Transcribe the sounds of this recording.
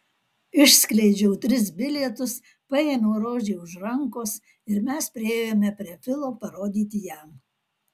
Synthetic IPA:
ɪʃʲsʲklʲɛɪd͡ʒʲɛʊt̪ʲɾʲɪsbʲɪlʲɛt̪ʊs | pɐjeːnoːɾoːʒʲeːʊʃɾɐŋkoːs | ɪɾmʲɛspʲɾʲɪeːjoːmʲɛpʲɾʲiɛfʲɪlˠoːpɐɾoːd̪ʲiːt̪ʲɪjæm

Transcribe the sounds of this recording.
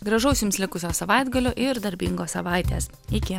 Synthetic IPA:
ɡɾɐʒɐʊsʲjʊmslʲɪkʊsʲoːsɐʋɑɪd̪ɡɐlʲoːʔɪɾd̪ɐɾʲbʲiŋɡoːsɐʋɑˑɪt̪ʲḛːs | ɪkʲɪ

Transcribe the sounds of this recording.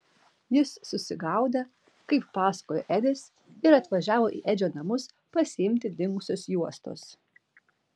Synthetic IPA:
jɪsːʊsʲɪɡɐˑʊd̪ɐ | kɐɪpːɑːsɐ̥koːjo̰ːʔɛd̪ʲɪs | ɪɾɐt̪ʋɐʒʲæːʋoːʔḭːʔɛd͡ʒʲoːnɐmʊs | pɐsʲɪɪmʲt̪ʲɪd̪ʲɪŋkʊsʲʊsjuɔst̪o̰ːs

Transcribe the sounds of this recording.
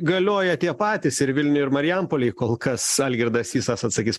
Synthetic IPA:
ɡɐlʲoːjɛt̪ʲiɛpɑːt̪ʲɪsɪɾʋʲɪlʲnʲʊjɪɾmɐɾʲɪjɛmpoːlʲɪɪkoːlˠkɐsɑːlʲɡʲɪɾd̪ɐsʲiːsɑsɐt̪sɐkʲiːs

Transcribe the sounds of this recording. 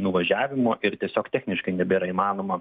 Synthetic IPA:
nʊʋɐʒʲæːʋʲɪmoːʔɪɾt̪ʲiɛsʲoːkt̪ʲɛːxʲnʲɪʃkɐɪnʲɛbʲiːɾɐimɑːnoːmɐ

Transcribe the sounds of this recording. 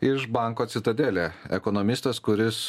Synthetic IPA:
ɪʃbɑˑŋkoːt̪sʲɪt̪ɐd̪ʲeːlʲɛːɛ̰konomʲɪst̪ɐskʊɾʲɪs

